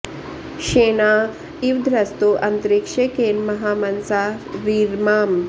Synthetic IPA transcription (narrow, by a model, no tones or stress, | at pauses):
ʃeːnaː | iʋd̪ʱɾɐst̪uʔɐnt̪ɾikʂekeːnmɐɦaːmɐnsaːʋiːɾmaːm